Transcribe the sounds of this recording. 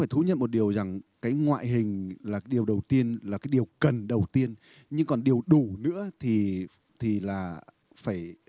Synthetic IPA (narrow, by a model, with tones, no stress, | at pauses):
faː˧˩jt̪ʰu˨˦ɲə̰˧˨nmo˨˩t̚ɗi˨˩əwza˨˩ŋkaː˨˦jŋwa̰ː˧˨jɦï˨˩ŋ̟laː˨˩kaː˨˦jɗi˨˩əwɗə˨˩wt̪i˧ənlaː˨˩kaː˨˦jɗi˨˩əwkə˨˩nɗə˨˩wt̪i˧ən | ɲɨ˧ŋkɔ˨˩nɗi˨˩əwɗu˧˩nɨ̰˧˥ət̪ʰi˨˩ | t̪ʰi˨˩laː˨˩ | faː˧˩j